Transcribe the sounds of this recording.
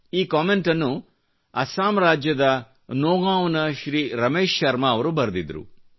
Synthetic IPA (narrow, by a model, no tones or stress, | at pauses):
iːkaːmeɳʈɐnːu | ɐsaːmɾaːd͡ʒjɐd̪ɐ | nɔːɡaːʋnɐʃɾiːɾɐmeːʃːɐɾmɐːʋɐɾubɐɾɐd̪id̪ɐɾṵ